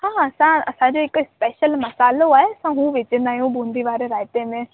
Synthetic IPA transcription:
hãːɐsãɐsãd͡ʑoːɦɪkspɛːʃəlmɐsaːloaːɦeɐsãɦũʋeːt͡ɕə̃nd̪aːɦijũbũːnd̪ʱiʋaːɾeɾaːjɪt̪emẽ

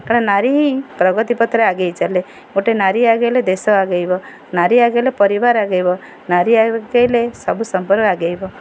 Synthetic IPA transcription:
kaɽ̃enaɾiɦĩpɾɔɡɔt̪ipɔt̪ɾeaɡejt͡ʃale | oʈenaɾiaɡejled̪esɔaɡejbɔ | naɾiaɡejlepɔɾibaɾaɡejbɔ | naɾiaɡelesɔbusɔmpɔɾkaɡejbɔ

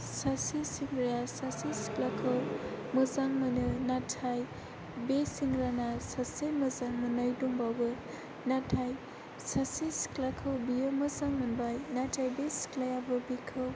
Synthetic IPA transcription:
sasisiŋɡɾajasasisi̥klakʰəwmɯzaŋmɯnɯnatʰaj | besiŋɡɾanasasemɯzaŋmɯnʌjduŋbawbɯ | natʰaj | sasisi̥klakʰɯwbijɯmɯzaŋmɯnbajnatʰajbesi̥klajabɯbikʰɯw

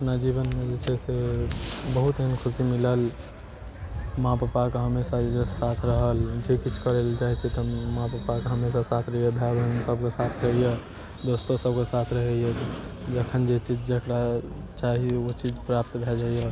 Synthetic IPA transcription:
əpnad͡ʒiβənmed͡ʒet͡ʃʰɛse | bəɦut̪ɦinkʰusimiləl | mãpəpakeɦəmesad͡ʒed͡ʒesat̪ʰɾəɦəld͡ʒekit͡ʃʰkəɾelt͡ʃaɦit͡ʃʰɛt̪ɔmãpəpakeɦəmesasat̪ʰɾəɦijebʱabənsəb̚kesat̪ʰɾəɦije | d̪ost̪osəbkesat̪ʰɾəɦɛjet̪d͡ʒəkʰənd͡ʒet͡ʃid͡ʒd͡ʒəkɾa | t͡ʃaɦieot͡ʃid͡ʒpɾap̚t̪bʱed͡ʒaije

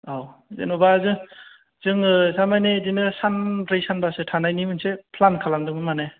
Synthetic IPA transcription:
awzḛnɔbazɯ | z̥ɯŋɯsamajnedinɯsanɾejsanbasɯtʰanajnimɯnsepʰlankʰalamdɯŋɯnmanaj

